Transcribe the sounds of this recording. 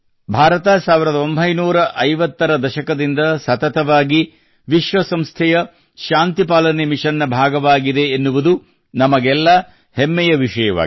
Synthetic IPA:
bʱaːɾɐt̪ɐsaːʋiɾɐd̪ɐo̞mbʱɐjnuːɾɐʔɐjʋɐt̪ːɐɾɐd̪ɐʃɐkɐd̪ind̪ɐsɐt̪ɐt̪ɐʋaːɡi | ʋiʃʋɐsɐmst̪ʰɛjɐ | ʃaːnt̪ipaːlɐnemiʂɐnːɐbʱaːɡɐʋaːɡid̪eːnːuʋud̪u | nɐmɐɡɛlːɐ | hɛmːɛjɐʋiʂɐjɐʋa̰ːɡi

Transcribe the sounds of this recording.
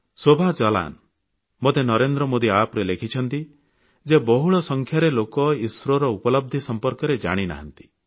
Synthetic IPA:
sobʱad͡ʒɔla̰n | mot̪enɔɾend̪ɾɔmod̪iapɾelekʰit͡ʃʰɔnt̪i | d͡ʒebɔɦuɭɔsɔŋkʰjaɾelokɔiswɾɔɾɔupɔlɔb̚d̪ʱisɔmpɔɾkɔɾed͡ʒa̰ɽ̃ina̰ɦant̪i̥

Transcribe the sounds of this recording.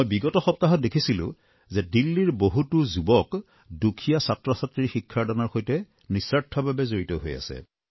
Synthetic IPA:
jbiɡɔtɔxɔp̚taɦɔt̚dekʰisilʊ̰̃ | zɛdilːiɹboɦutuzubɔk | dukʰijasatɹɔsatɹixikʰːaɹdanaɹxojtɛ | nisaɹtʰːɔbabɛzoɹitɔɦo̰ja̰sɛ̰

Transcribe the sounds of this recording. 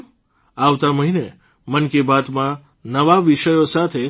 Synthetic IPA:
aʋt̪aməɦine | mənkebat̪mã | nəʋaʋiʃəjosat̪ʰe

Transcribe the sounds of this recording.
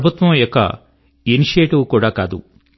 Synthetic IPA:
bʱut̪ʋɐmjɔkːɐ̰ | eniʂeːʈiwkuːɽaːkaːd̪u

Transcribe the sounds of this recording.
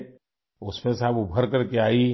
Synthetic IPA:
ʊsmẽsaːbʊbʱəɾkɐɾkeaːi

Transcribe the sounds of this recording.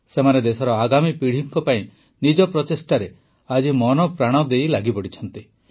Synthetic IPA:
semaned̪esɔɾɔaɡamipiɽ̤iŋkɔpaĩ | nid͡ʒɔpɾɔt̪esʈaɾe | ad͡ʒimɔnɔpɾaɽ̃ɔd̪ejlaɡipɔɽit͡ʃʰɔnt̪i

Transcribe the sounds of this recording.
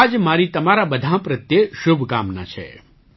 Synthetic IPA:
d͡ʒmaɾit̪əmaɾabəd̪ʱãpɾət̪jeʃubʱkamna̰t͡ʃʰḛ

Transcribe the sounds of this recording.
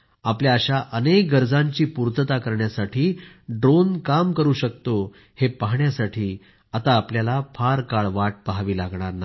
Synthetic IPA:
apljaːɕaʔənek̚ɡəɾd͡zãɲt͡ɕiːpuɾt̪ət̪akəɾɳjasaʈʰiː | ɖɾonkamkəɾuːɕək̚t̪o | hepaɦɳjasaʈʰiː | at̪aːpljalafʰaɾkaɭʋaʈ̚paɦaʋiːlaɡɳ̃aɾna

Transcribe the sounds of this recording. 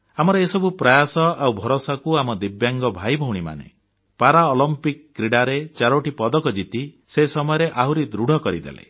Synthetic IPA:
amɔɾɔesɔbupɾɔjasɔawbʱɔɾosakuamɔd̪ibjaŋɡɔbʱajbʱɔwɽ̃ima̰nḛ | paɾaɔlɔmpikːɾiɽaɾet͡ʃaɾoʈipɔd̪ɔkɔd͡ʒit̪i | sesɔmɔjɔɾeʔaɦuɾid̪ɾuɽʱɔkɔɾid̪ḛlḛ

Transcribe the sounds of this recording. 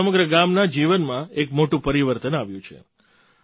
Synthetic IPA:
əməɡɾəɡamnad͡ʒiʋənmãekmoʈũpəɾiʋəɾt̪ənaʋjũt͡ʃʰḛ

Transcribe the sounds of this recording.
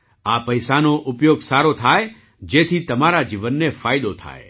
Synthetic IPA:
apəjsanoʔʊpjoɡsaɾot̪ʰaj | d͡ʒet̪ʰit̪əmaɾad͡ʒiʋənːefajd̪ot̪ʰa̰e

